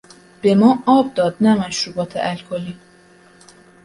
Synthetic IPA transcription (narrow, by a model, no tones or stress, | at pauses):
b̥e̞mɒːɒːb̚d̪ɒːd̪næmæʃɾuːbɒːt̪ʰḛʔælkʰoliː